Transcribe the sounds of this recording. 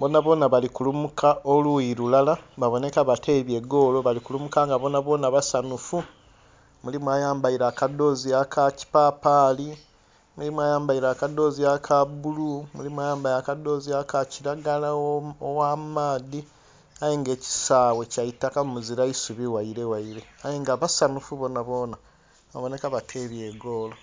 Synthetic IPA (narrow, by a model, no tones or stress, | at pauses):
bo̞ːnaβo̞ːnaβalikulumukʰaʔoluiɾulalaβaβo̞ne̞kaβate̞ːβje̞ɡo̞ːlo̞βalikulumukaŋɡaβo̞ːnaβo̞ːnaβasanufu | mulimwajaːmbaiɾaːkado̞ːziakʰaci̥paːpaːli | mulimwajaːmbaiɾaːkado̞ːziakʰabulumulimwajaːmbaiɾakado̞ːziakaciɾaɡalaowamaːði | ajeŋɡe̞ːci̥saːwe̞caitakamumuziɾaisuβiwaiɾe̞waiɾe̞ajeŋɡaβasanufuβo̞ːnaβo̞ːna | aβo̞ne̞kaβatʰe̞βje̞ːɡo̞ːlo